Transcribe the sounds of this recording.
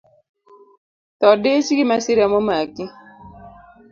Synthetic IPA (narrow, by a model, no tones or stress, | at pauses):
tɔdet͡ʃikimasiɾjamɔmaki